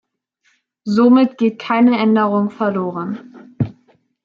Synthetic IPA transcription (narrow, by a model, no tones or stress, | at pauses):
zomɪtɡ̥eːt̚kʰaɪnəʔɛndəʁʊŋfɛɐloːʁən